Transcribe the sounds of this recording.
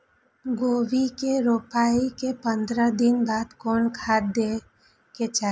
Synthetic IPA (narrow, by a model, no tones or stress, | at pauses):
ɡoːʋikeɾoːpaːikepə̃nd̪ɾəd̪ɪnbaːt̪kɔːnkʰaːd̪e | ket͡ʃaː